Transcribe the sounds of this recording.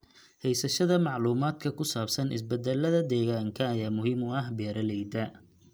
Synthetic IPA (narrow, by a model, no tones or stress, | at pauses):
hɛjsɐʃɐðɐmɑʕluːmaːd̪̚kʰɐkʰʊsaːbsɐnʔɪ̰s̬bɛd̪ɛlɐðɐd̪ɛːɣaːŋkʰɐːjaːmʊɦiːmʊɐɦbɛːɾɐlɛjd̪ɐ